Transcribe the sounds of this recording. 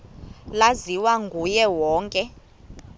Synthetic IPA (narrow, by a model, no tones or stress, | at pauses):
laziwaŋɡʱujɛwɔːŋkʼɛ